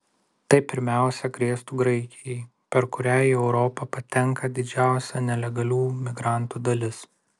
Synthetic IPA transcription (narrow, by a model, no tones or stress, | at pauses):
t̪ɐɪpʲɪɾʲmʲæˑʊsʲɛkɾʲiɛst̪uːɡɾɐɪkʲɪjɛɪ | pʲɛɾkʊɾʲæːjiɛʊɾɔpɐpɐt̪ʲɛŋkɐd̪ʲɪd͡ʒʲæˑʊsʲɛnʲɛlʲɛɡɐlʲuːmʲɪɡɾɑˑnˑt̪uːd̪ɐlʲɪs